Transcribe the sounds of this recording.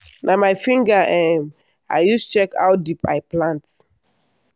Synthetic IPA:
nʔamaɪfĩŋɡaʔɛ̃m | a̰jjust͡ʃɛka̰wdipa̰ɪplãnt

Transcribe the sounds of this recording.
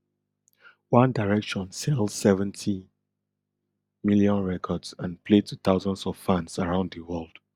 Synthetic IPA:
wãndaɹɛkʃɔ̃nsɛldsɛvɛ̃ntʰi | miljɔ̃nɹɛkʰɔdsãnpʰletʰut̪aʊzɔ̃ndsɔv̥fãnsaɹãʊ̃ndðəwɜlˠd̥

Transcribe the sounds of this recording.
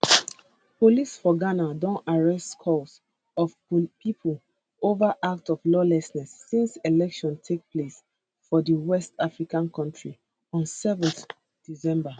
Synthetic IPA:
polisfɔɡanadõnaɹɛstkʰɔs | ɔf | pipʰol | ovaʔak̚tɔvlɔlɛsnɛsːĩnselɛkʃɔ̃ntʰek̚ples | fɔdəwɛstafɹikãnkʰɔ̃ntɹi | ɔ̃nsɛvɛ̃nθ | d̥isɛ̃mba

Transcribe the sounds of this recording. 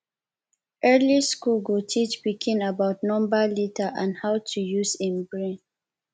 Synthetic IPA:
ʔɜliskulɡutʰit͡ʃpikʰĩnabaʊtnɔ̃mbəlitʰəʔãnhaʊtʰujuzĩmbɹẽn

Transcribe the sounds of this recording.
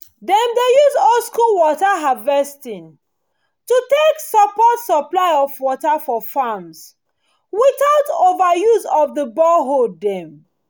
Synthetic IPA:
dɛ̃ndejuzɔlskulwɔtaɦavɛstĩn | tuteksəpɔtsəplaɪɔvwɔtafɔfams | wiθaʊtovəjuzɔvðəbɔɦoddɛ̃m

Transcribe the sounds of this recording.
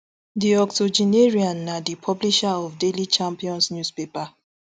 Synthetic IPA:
diɔktod͡ʒineɹiãnːadipʰɔbliʃaɔfdelit͡ʃãmpiɔ̃nsnjuspepa

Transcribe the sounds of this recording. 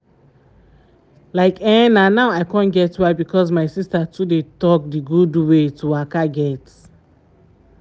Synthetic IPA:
laɪkɛ̃nãnaʊaɪkɔ̃nɡɛtwabikʰɔs̬maɪsistatʰudetɔk̚diɡudwetuwakaɡɛt

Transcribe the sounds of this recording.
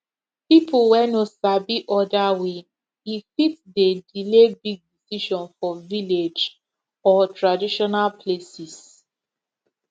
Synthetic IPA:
pipuwɛnosabiʔɔdawe | ifitdedilebiɡ̚disiʃɔ̃nfɔviled͡ʒ | ɔtɹadiʃɔnalplesis

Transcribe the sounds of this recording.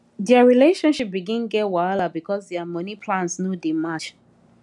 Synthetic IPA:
ðɛaɹileʃɔ̃nʃip̚biɡĩnɡɛtwalabikʰɔsðɛamɔ̃nipʰlãnsnodimat͡ʃ

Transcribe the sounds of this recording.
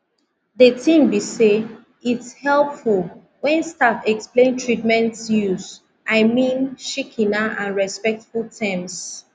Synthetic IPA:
ðətʰĩmbise | itshɛlˠpful | wɛ̃nstatɛksplẽntʰɹitmɛ̃ntsjus | aɪmĩnʃikʰĩnaʔãnɹɛspɛk̚tfultʰɛ̃ms

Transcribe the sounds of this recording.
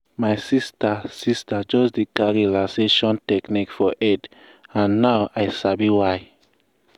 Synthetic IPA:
maɪsistasistat͡ʃozdikaɹilãseʃɔ̃ntɛknikfɔʔɛd | ãnːawʔajsabiwaɪ

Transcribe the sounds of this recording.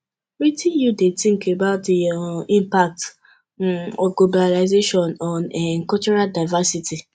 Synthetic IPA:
ɹitĩnjudetĩŋkebaʊtĩmpak̚t | ɔɡlobalaɪzeʃɔ̃nɔnɛŋ̩kɔt͡ʃɔɾadaɪvasiti

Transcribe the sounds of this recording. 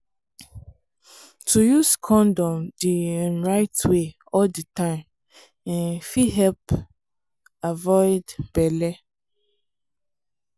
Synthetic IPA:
tʰujuskʰɔ̃ndɔ̃mdiɛ̃nɹaɪtwe | ɔldətãɪ̃m | ɛ̃nfiɦɛlp | avɔɪdb̥ɛlɛ

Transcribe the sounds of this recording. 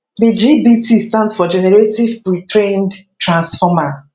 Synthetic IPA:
dəd͡ʒibitistãndfɔd͡ʒɛnɛɹetivpɹitʰɹẽndtɹãnsfɔma

